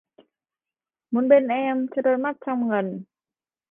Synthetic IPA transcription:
mo˨˦nɓe˧nʔɛ˧mt͡ɕə˧˥ɗo˧jma˦˥t̚t͡ɕɔ˧wŋ͡mŋə˨˩n

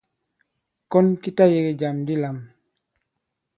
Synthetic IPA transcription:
kɔ˦nki˦ta˦je˨ɡe˨ɟa˨mdi˦la˨m

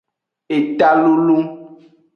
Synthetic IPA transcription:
e˨t̪a˦lu˦lu˦

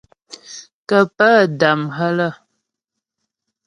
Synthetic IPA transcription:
kə˨pə˦˨da˨mɦə˦lə˦˨

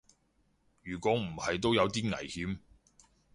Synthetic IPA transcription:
jyː˨˩kʷɔː˨˥m̩˨˩hɐ˨jt̪o˥wjɐ˨˧wt̪iː˥ŋɐ̰˨˩jhiː˨˥m

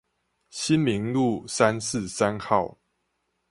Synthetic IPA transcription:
ɕi˦nmi˨˦ŋlu˥˨sa˦ns̩˥˨sa˦nxɑ˥˨ʊ

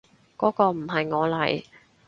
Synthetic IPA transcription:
kɔː˨˥kɔː˧m̩˨˩ɦɐ˨jŋɔː˨˧lɐ̰˨˩j

